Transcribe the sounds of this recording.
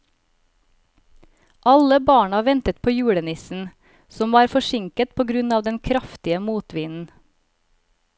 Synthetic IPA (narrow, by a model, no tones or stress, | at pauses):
ʔɑləbɑːɳɑʋɛnt̪ət̪̚pʰoːjʉːɽənɪsn̩ | sɔmʋɑːɾfɔʃɪŋkət̪̚pʰoːɡɾʉnɑːʋd̪ɛnkʰɾɑft̪ɪəmuːt̪ʋiːnn̩